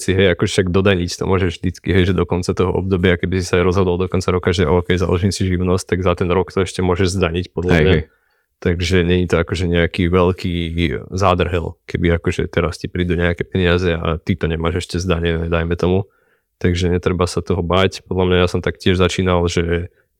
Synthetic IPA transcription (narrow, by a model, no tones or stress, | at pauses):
siɦɛjakɔʒɛʃaɡd̪ɔd̪aɲict̪ɔ̰mɔʒɛʒvʒd̪it͡skiɦɛjʒɛd̪ɔkɔnt͡sat̪ɔɦɔ̰ʔɔ̰b̚d̪ɔbɪakɛbisi̥sajɾɔzɦɔd̪ɔlˠd̪ɔkɔnt͡saɾɔkaʒɛʔɔːkɛjza̰lɔʒiːmsiʒiʊnɔsc̚t̪aɡzat̪ɛnɾɔkt̪ɔɛʃcɛmʊɔʒɛʒzd̪aɲicpɔd̪lamɲa | t̪aɡʒɛɲɛɲit̪ɔakɔʒɛɲɛakiʋɛlkʰiːzaːd̪r̩ɦɛlkɛbiakɔʒɛ̰t̪ɛɾascipɾiːd̪uɲɛakɛpɛɲiazɛa̰t̪it̪ɔɲɛmaːʒɛʃcɛzd̪aɲɛnɛd̪ajmɛt̪ɔmu | t̪aɡʒɛɲɛt̪ɾɛbasat̪ɔɦɔbaːcpɔd̪lamɲajasɔmt̪akcɪɛʒzat͡ʃiːnalˠʒɛ